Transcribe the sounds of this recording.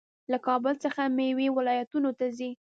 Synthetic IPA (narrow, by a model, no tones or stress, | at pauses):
lakɑbəlt͡səxamewewɪlɑjat̪unot̪azi